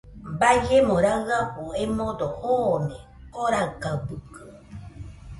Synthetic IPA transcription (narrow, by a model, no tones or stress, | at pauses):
bad͡ʒemõɾaɣapuemõd̪ohonẽ | oɾakabukɯ